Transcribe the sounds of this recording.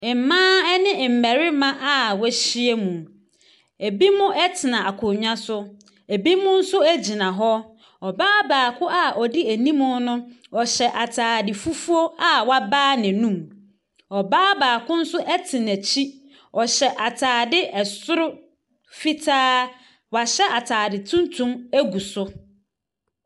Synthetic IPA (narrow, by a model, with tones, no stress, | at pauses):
ɪ˨m˨mãː˦ɛ˦nɪ̃˦˨m̩˨mæ˨ɾɪ˦mã˦ʔa˦wɛ˦ɕi˦e˦mũ˨ | e˨bi˦mʊ̃˦ɛ˦tʰɪ˨nã˨a˨kʰʊ˨ɲᶣã˦sʊ˦ | e˨bi˦mʊ̃˦n̩˦sʊ˦æ˦d͡ʑi˨nã˨ɦɔ˦ | ɔ˨baː˦baː˨kʰʊ˦a˨ʔɔ˨di˦æ˨nĩ˦mʊ̃˦nʊ̃˦ɔ˨ɕɛ˨ʔa˨tʰaː˨dɪ˨fu˦fu˦o˦a˦wa˦baː˦nɪ̃˨nũ˦˨m | ɔ˨baː˦baː˨kʰʊ̃˦n̩˦sʊ˦ʔɛ˦tʰɪ˨næ˨t͡ɕʰi˦ | ɔ˨ɕɛ˨ʔa˨tʰaː˨dɪ˦ʔɛ˨sʊ˦ɾʊ˦ | fi˦tʰaː˦ | wa˨ɕɛ˦ʔa˨tʰaː˨dɪ˨tʰũ˦ntʰũ˦mæ˦ɡu˨sʊ˦